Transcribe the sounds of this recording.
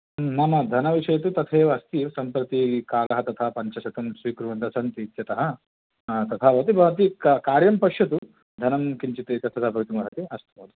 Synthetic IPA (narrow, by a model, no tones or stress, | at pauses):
mɐmɐd̪ʱɐnɐʋiʂɐjɐt̪ut̪ɐt̪ʰeːʋɐɐst̪isɐmpɾɐt̪ikaːlɐɦɐt̪ɐt̪ʰɐpɐɲt͡ʃɐsɐt̪ɐmsʋiːkɾuʋɐnd̪ɐsɐnt̪it̪jɐt̪ɐɦɐ̆ | t̪ɐt̪ʰɐʋɐt̪ibʱɐɐt̪̬ikɐkaːɾjɐmpɐkʂjɐt̪̬u | d̪ʱɐnɐmkiɲt͡ʃit̪eːt̪ɐt̪ʰːɐd̪ʰɐbʱɐʋit̪imɐɦɐt̪iɐst̪upɐːt̪u̥